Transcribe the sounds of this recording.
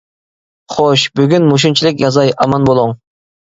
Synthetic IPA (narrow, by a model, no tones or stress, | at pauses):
χoʃbyɡʲynmuʃ̬unt͡ʃʰilɪkʲjɑzɑjʔɑmɑnbolˠʊŋ